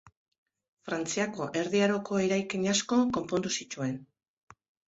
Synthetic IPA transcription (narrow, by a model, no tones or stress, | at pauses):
fɾant͡siako̞ʔe̞ɾðiaɾo̞kʰo̞eɾajkiɲasko̞ko̞mpo̞nd̪usit͡ʃue̞n